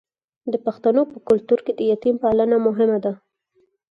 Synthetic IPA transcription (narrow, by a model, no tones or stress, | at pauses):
d̪əpaxt̪anopəkʊlt̪uɾked̪əjat̪impalanamʊɦɪmad̪a